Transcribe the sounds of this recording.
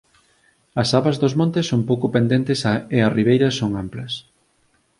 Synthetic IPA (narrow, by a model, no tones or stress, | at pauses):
ɐsaβɐzðozmõnt̪ɪsːoŋpowkopend̪ent̪ɪsaeɐriβ̞ejɾɐsoŋamplɐs